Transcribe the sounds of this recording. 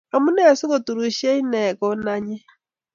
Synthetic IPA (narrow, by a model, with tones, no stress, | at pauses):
a˨mu˦nɛ˦˨su˦kɔ˨tu˨ɾu˨ʃɛ˦i˦nɛ˨kɔ˦na˦ɲɛ˦